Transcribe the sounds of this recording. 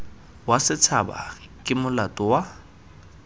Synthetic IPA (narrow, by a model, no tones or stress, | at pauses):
wasɪt͡sʰaba̰kʼɪmʊlatʼʊwa